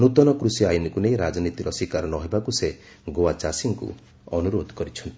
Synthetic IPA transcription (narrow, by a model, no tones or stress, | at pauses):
nut̪ɔnɔkɾusijajinikunejɾad͡ʒɔnit̪iɾɔsikaɾɔnɔɦebakuse | ɡoat͡ʃasiŋkṵ | ɔnuɾod̪ʱɔkɔɾit͡ʃʰɔnt̪i̥